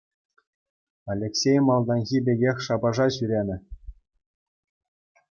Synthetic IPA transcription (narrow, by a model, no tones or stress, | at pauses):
alʲːeksʲejmɑlˠd̪ɑnxʲibʲeɡʲexʲʂɑbɑʐɑɕyɾʲenʲɘ̆